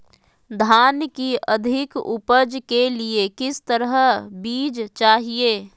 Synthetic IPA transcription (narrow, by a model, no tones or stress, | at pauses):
d̪ʱaːnkiə̰d̪ʱɪkʊ̰pəd͡ʒkeliekɪst̪əɾəɦbiːd͡ʒt͡ʃaːɦieː